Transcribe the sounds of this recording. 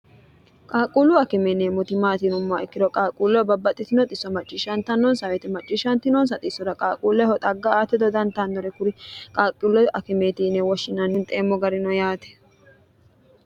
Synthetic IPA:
kʼaːkʼuːlʊɐkɪmɛnemʊt̪ɪmaːt̪inʊmːaɪkːɪd̪ɔkʼaːkʼːuːlːɔjbɐbːɐt̪ʼːɪt̪ɪnɔt̪ʼɪsːɔmɐt͡ʃʼːɪʃɐnt̪ːɐnːɔnsɐwɛt̪ɛmɐt͡ʃʼːɪʃɐnt̪ɪnɔns̬ɐt̪ʼɪsːɔd̪ɐkʼaːkʼuːlːɛhɔt̪ʼɐɡːɐaːt̪ːɪd̪ɔd̪ɐnt̪ːand̪ɔɾɛkʊɾɪkʼaːkʼːulːɔʔɐkɪmeːt̪iːnɛwɔʃːɪnɐnːɪnt̪ʼeːmːɔɡɐɾɪnɔjaːt̪ɛ̥

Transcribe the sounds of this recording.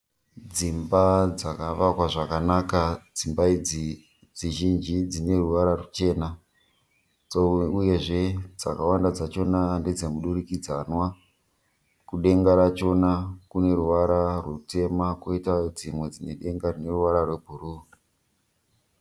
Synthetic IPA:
d͡zimbad͡zakaʋakwaʐakanakad͡zimbaid͡zi | d͡ziʒind͡ʒid͡zine̞ruʋaɾarut͡ʃe̞ːna | d͡zouje̞ʐe̞d͡za̰kawandad͡zat͡ʃo̞nanded͡zemuɗurikid͡zanwa | kuɗe̞ŋɡaɾat͡ʃo̞nakune̞ɾuʋaɾarwute̞makoitad͡zimwe̞d͡zine̞ɗe̞ŋɡarine̞ruʋaɾarwebʱuruː

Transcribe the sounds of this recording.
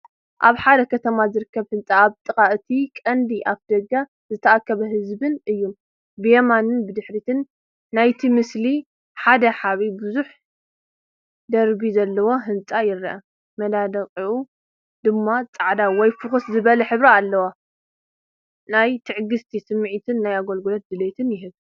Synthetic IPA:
ʔaβħad̪ɐkʰɐt̪ʰɐmazɨɾɨkːɐβhɨnt͡sʼaaβt̪ʼɨkʼaʔt̪ʰikʼɐnd̪iʔaβd̪ɐɡːa | zɨt̪ʰɐʔakʰːɐβɐɦɨzbɨnɨjːum | bɨjemanɨnbɨd̪ɨħɾit̪ʰɨnː | ajt̪ʰimɨsli | ħad̪ɐħaβibɨzuħ | d̪ɐɾbizɐlːɐwo̞ɦɨnt͡sʼajɪɾɐʔɐ | mɐd̪ad̪ɐqʼiʔu | d̪ɨmːat͡sʼaʕd̪awɔjfɨxɨszɨβɐlɐħɨβɾaalːɐwa | najt̪ʰɨʕɡɨst̪ʰisɨmʕit̪ʰɨnːajaɡolɡɨlot̪̚d̪ɨlet̪ʰɨnjɪɦɨβ

